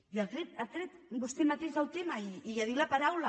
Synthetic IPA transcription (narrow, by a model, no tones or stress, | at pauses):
iəlˠt̪ɾet̪əlˠt̪ɾɛt̪bust̪emat̪eʒəlˠt̪emɐiːjaðilɐpaɾawlə